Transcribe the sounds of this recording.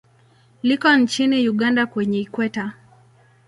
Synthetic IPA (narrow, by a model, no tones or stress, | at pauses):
likɔnt͡ʃinijuɠandakwɛɲɛikwɛta